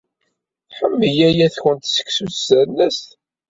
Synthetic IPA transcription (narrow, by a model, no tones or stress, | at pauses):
ħəmːəjæjæθçənt̪sə̥ksusænəs